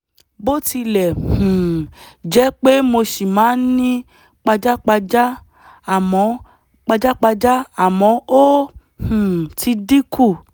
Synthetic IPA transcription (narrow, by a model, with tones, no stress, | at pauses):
bo˦ti˧lɛ˨hũ˨d͡ʒɛ˦k͡pe˦mo˧ʃi˨mãː˨˦n̩˦nĩ˦ | k͡pa˧d͡ʒa˦k͡pa˧d͡ʒa˦ | a˨mɔ̃˨˦ | k͡pa˧d͡ʒa˦k͡pa˧d͡ʒa˦a˨mɔ̃˨˦o˦ | hũ˨ti˧di˦kʰu˦˨